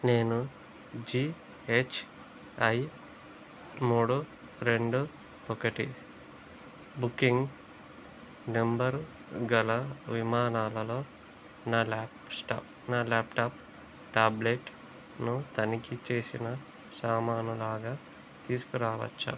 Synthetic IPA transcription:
ne̞ːnu | d͡ʒiː | et͡ʃʰ | ɐj | muːɽu | ɾe̞ɳɖu | ɔkɐʈi | bukːiŋɡ | nembɐɾ | ɡɐlɐʋimaːnaːlɐlo̞ː | naːlaːpsʈa̰ːp̚ | naːlaːpʈaːp | ʈaːbleʈ | nut̪ɐnikit͡ʃe̞ːsinɐ | saːmaːnulaːɡaː | t̪iːsu̥kuɾaːʋɐ̰t͡ʃːa̰ːm

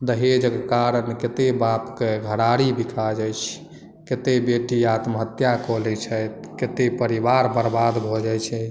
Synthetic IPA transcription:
d̪əɦed͡ʒkkaɾənket̪ebapkeɡʱəɾaɾibikʰad͡ʒəjt͡ʃʰ | ket̪ebeʈiat̪məɦət̪jakɔlɛt͡ʃʰət̪ | ket̪epəɾibaɾbəɾbad̪bʱɔd͡ʒajt͡ʃʰɛ

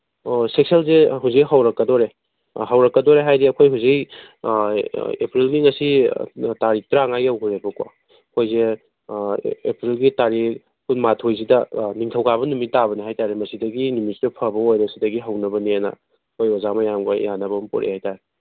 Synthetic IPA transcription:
sek̚selzeɦuzikhawɾɐkːɐdɔɾe | ɦawɾɐkːɐdɔɾeɦajdiɐkʰojɦuzik | epɾilɡiŋɐsitaɾitɾaŋajawkuɾebɐkwa̰ | kʰojze | pɾilɡitaɾi | kunmatʰojzidɐniŋtʰɐwkʰaβɐnumitabɐniɦajtaɾemɐsidɐɡinumisidɐpʰɐbɐojɾɐsidɐɡiɦɐwnɐbɐnianɐ̰ | kʰojɔzamɐjamɡa̰janɐbɐmpɔ̰ɾʔḛhajtaɾe

